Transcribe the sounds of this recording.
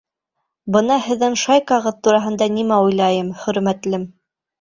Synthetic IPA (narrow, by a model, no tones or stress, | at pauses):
bɤnɑhɘ̆ðːɘnʃɑjkɑʁɤðt̪uɾɑɦɤ̆nd̪ɑnimæujlˠɑjɤmχɵ̆ɾmæt̪lɘm